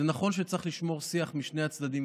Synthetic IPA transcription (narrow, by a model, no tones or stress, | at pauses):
enaχo̞nʃ̬et͡saχliʃmo̞ʁsiaχmiʃne̞jat͡sd̪ad̪im